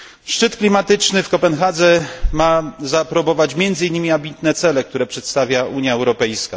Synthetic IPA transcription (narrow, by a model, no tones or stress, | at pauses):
ʂt͡ʂɘt̪klʲimat̪ɘt͡ʂnɘfkɔpɛnxad̪zɛmazapɾɔbɔvat͡ɕmʲjɛnd̪zɘjnːɘmʲiambʲit̪nɛt̪sɛlɛkt̪uɾɛpʂɛt̪st̪avʲjaʔuɲjaɛwɾɔpɛjska